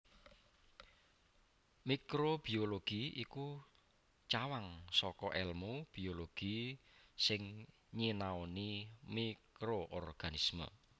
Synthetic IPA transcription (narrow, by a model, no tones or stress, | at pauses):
mikɾob̥i̤oloɡ̥iiku | t͡ʃawaŋsɔkɔʔɛlmub̥i̤oloɡ̥i̤sɪŋ | ɲinaonimikɾoʔɔrɡ̥anismə̰